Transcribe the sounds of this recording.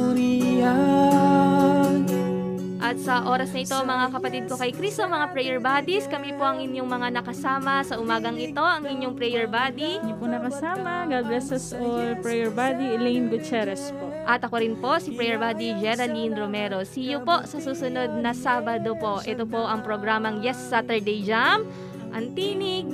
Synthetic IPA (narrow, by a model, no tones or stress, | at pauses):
ɾia | ʔɐt̪̚sɐʔo̞ːɾɐsnɐʔɪt̪o̞mɐŋakɐpɐt̪id̪̚po̞kɐjkɾist̪omɐŋapɾɛjɛɹbad̪iskɐmipo̞ʔɐŋʔɪɲːoŋmɐŋanɐkɐsaːmɐsɐʔʊmaːɡɐŋʔɪt̪o̞ʔɐŋʔɪɲɲoŋpɾɛjɛɹbaːd̪iɲopʊnɐkɐsaːmɐɡalblɛsɐsʔolpɹɛjɛɹbad̪iɛlinɡʊt͡ʃɛɾɛspoʔʔɐt̪ɐkoɾɪnpo̞sipɾɛjɛɹbaːd̪id͡ʒɛɾɐlinɾomɛːɾo̞sɪjopo̞ʔsɐsuːsʊno̞d̪̚nɐsaːbɐd̪o̞po̞ʔɛt̪opo̞ʔɐŋpɾoɡɾaːmɐŋjɛsːat̪ɛɹd̪ɛjd͡ʒam | ʔɐŋt̪iːnɪɡ̚